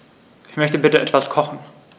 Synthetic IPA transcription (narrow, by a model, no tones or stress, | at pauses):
ʔɪçmœçtəbɪtəʔɛtv̥askʰɔχn̩